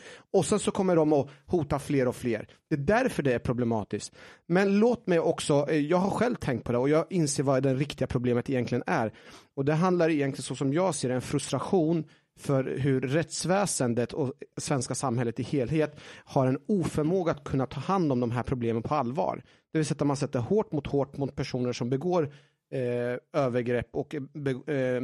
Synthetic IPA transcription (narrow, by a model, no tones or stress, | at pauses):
ɔsɛnsɔkʰɔmːəɖɔmɔhuːt̪afleːɾɔfleːɾ | d̪̥ɛːd̪æɾfœɖɛæɾpʰɾʊblɛmɑ̰ːt̪ɪsktmɛnloːt̪mɛjʔɔksɔjɑːɡɦaɾɧɛlvt̪ʰɛŋkt̪̚pʰɔd̪ɛɔjɑːɪnseːɾvad̪ɛɾɪkt̪ɪɡapʰɾʊbleːmət̪ɪjɛnt̪lɪɡənæɾɔd̪ɛɦand̪laɾɪjɛnlɪɡənsɔsɔmjɑːɡseːɾɛnfɾɵst̪ɾaɧuːn | fœɾɦɵɾːɛt̪svɛːsənd̪ət̪ʰɔsvɛnskasamːhɛlːət̪ɪheːlɦeːt̪haɾɛnuːfœɾmoːɡaːt̪kʰɵnːat̪ʰɑːhand̪ɔmd̪ɔmɦæːɾpʰɾʊbleːmənpʰɔalːvɑ̰ːɾ | d̪̥ɛvɪlsɛt̪ːamans̬ɛt̪ːəɾhoːʈmʊt̪hoːʈmʊt̪̚pʰæʂuːnəʂɔmbɛɡoːɾ | øːvəɾɡɾɛpːɔkbɛ